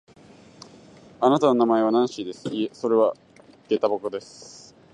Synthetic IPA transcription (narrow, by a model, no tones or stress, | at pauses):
anat̪ano̞namae̞β̞anãɰ̃ɕiːd̪e̞sɨ̥ieso̞ɾe̞β̞a | ɡ̥e̞t̪abokod̪e̞sɨ̥